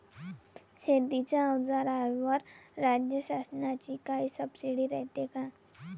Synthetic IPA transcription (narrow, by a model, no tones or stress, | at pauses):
ʃed̪it͡ʃaəwd͡zaɾaʋəɾɾaːd͡ʒjəʃaːsənat͡ʃikaisəbsiɽiɾɛɦt̪ekaː